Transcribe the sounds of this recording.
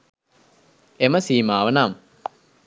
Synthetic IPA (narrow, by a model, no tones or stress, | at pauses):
eməsiːmaːʋənaːm